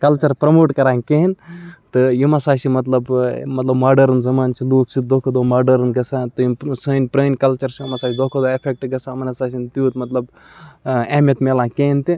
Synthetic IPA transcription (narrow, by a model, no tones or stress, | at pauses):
kɐlt͡ʃɐɾpɾɐmoːʈkɐɾãːkeːɦint̪ɨjimasaːsimɐt̪lɐbmɐt̪lɐbmaːɖɐɾnzɐmaːnt͡ʃʰiluːksid̪oːkʰɐd̪oːmaːɖɐɾɨnɡɐsãːt̪ɨjisənʲpɾəːnkɐlt͡ʃɐɾsiimasaːsʲid̪oːkʰod̪oːepʰek̚ʈɡɐsãːmɐnɐsaːs̬int̪juːt̪mɐt̪lɐb | eːmjɐt̪melãːkeːnt̪i